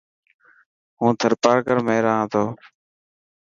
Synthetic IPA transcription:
ɦũːt̪ʰəɾpaːɾkəɾmẽːɾãːt̪ʰoː

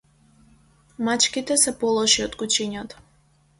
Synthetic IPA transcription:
mat͡ʃkit̪ɛsɛpɔlˠɔʃiɔd̪kut͡ʃiɲat̪ɔ̥

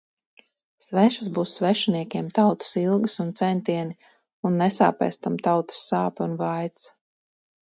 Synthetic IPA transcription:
svɛʃazbuːsːvɛʃiniɛkʲɛmt̪awt̪ɨ̥silˠɡɨsunt̪sɛnt̪iɛni | unːɛsa̰ːpɛ̰jst̪amt̪awt̪u̥sːaːpunvajt̪s

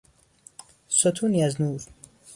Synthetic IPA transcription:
sot̪ʰunjaznuːɾ

